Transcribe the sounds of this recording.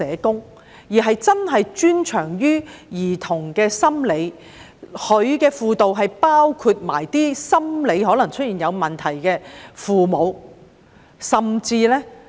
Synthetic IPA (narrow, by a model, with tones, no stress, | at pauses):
ɛː˨˧kʊ˥ŋ | jiː˨˩ɦɐ˨jt͡sɐ˥nɦɐ˨jt͡ʃyː˥nt͡ʃʰœː˨˩ŋjyː˥jiː˨˩t̪ʰʊ˨˩ŋkɛː˧sɐ˥mle˨˧j | hɵ˨˧ɥkɛː˧fuː˨˧t̪o˨wɦɐ˨jpaː˥wkʰu˧t̚ma̰ː˨˩jt̪iː˥sɐ˥mle˨˧jɦɔː˨˥lɐ˨˩ŋt͡ʃʰɵ˥t̚iː˨˩njɐ˨˧wmɐ˨nt̪ʰɐ˨˩jkɛː˧fuː˨mo˨˧w | sɐ˨mt͡siː˧lɛ˥